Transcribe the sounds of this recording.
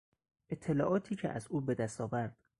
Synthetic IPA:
ʔet̪ʰːe̞lɒːʔɒːt̪ʰiːcʰḛʔæzʔuːbe̞d̪æst̪ɒːvæɾd̪̥

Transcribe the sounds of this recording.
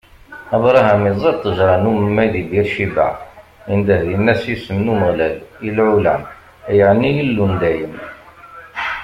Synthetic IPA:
æbɾˤɑɦæmizˤɑd̪̚t̪ˤːəʒɾˤɑnuməmːæjðibiɾʃibæ̰ | ind̪æhðinːæsjisəmnuməʁlælilʕulæm | jəʕnijəlːund̪æjəm

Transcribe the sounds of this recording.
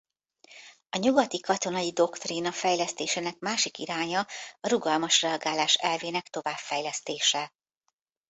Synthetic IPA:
ɒɲuɡɒt̪ikɒt̪o̞nɒjid̪o̞kt̪rinɒfɛjlɛst̪eːʃeːnɛkmaːʃikiɾaːɲɒːɾuɡɒlmɒʃrɛɒɡaːlaːʃɛlveːnɛkt̪o̞vaːbfɛjlɛst̪eːʃɛ

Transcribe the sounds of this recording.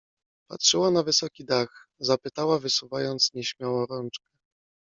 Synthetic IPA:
pa̰tʂɘwanavɘsɔkʲid̪axzapɘt̪awavɘsuvajɔnt̪sɲɛɕmʲjawɔɾɔnt͡ʂkɛ

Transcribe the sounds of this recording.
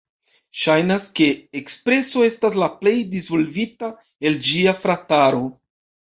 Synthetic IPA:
ʃajnaske̞ːkspɾe̞so̞e̞staslaple̞jdizvo̞lvita | e̞ld͡ʒiafɾataɾo̞

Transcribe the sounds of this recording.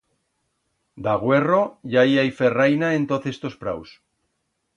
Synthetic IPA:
d̪aɣ̞we̞ro̞ʝaiajferajnaẽnt̪oθest̪o̞spɾaws

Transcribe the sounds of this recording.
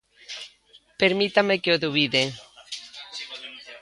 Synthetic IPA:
peɾmit̪amekeoðuβiðe

